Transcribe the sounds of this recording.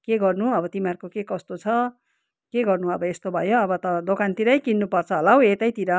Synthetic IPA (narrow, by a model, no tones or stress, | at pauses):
keɡʌrnuʌbʌt̪imarkokekʌst̪ot͡sʰʌ | keɡʌrnuʌbʌest̪obʱʌjoʌbʌt̪ʌd̪okant̪iɾʌjkinːupʌrt͡sʰʌɦʌlawet̪ʌjt̪iɾʌ